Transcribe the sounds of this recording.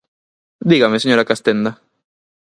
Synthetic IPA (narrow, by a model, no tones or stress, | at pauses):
d̪iɣameseɲoɾakast̪end̪a